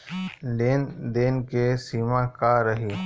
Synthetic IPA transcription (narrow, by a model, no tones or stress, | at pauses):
ɖend̪eːnkesiːmãːkaːɾəɦiː